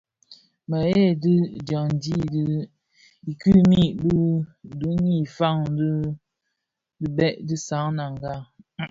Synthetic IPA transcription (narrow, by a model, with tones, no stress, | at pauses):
mə˨je˦˨dɨ˦dja˨ŋn˦di˦d | i˨kʉ˦˨mi˦˨bɨ˦du˨˦ɲi˦˨fa˦˨ŋd | dɨ˦bɛ˦ʔdɨ˦sa˨˦ŋna˨ŋɡa˦˨